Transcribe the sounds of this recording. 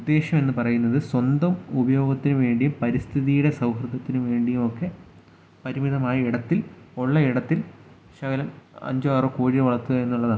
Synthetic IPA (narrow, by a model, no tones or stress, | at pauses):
ud̪ːe̞ːɕɐme̞nːɨpɐrɐjunːɐðɨswɐnd̪ɐmubɐjo̞ːɡɐt̪ːinuʋe̞ːɳɖijumpɐɾist̪ʰiðijuɽe̞sɐwɦrɨɡ̪ɐt̪ːinuʋe̞ːɳɖijumokːe̞ | pɐɾimiðɐmaːjiiɽɐt̪ːiloɭːɐiɽɐt̪ːil | ɕɐɣɐlɐmɐ̰ɲd͡ʑɐaːrokoːɻiɐʋɐɭɐrt̪ːuɣɐenːuɭːɐðaː